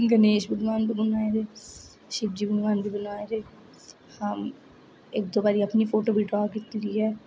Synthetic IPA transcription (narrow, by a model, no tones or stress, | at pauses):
ɡəneːʃbədʋaːnbʱiːbənaːeɾeː | ʃɪb̚d͡ʒiːbədʋaːnbʱiːbənaːeɾeː | həm | ɪk̚d̪oːbaːɾiːəpniːpʰoːʈoːbʱiːɖɾaːkit̪iɾiːɦɛː